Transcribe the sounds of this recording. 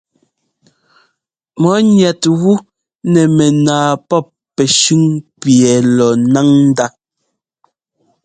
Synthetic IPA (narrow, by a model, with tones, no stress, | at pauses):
mɔ˨˦ɲɛ˨tɣu˦ | nɛ˨mɛ˨naː˨pɔ˦pːɛ˨ʃʉ˦ŋpjɛ˨lɔ˨na˦ŋn̩˦da˦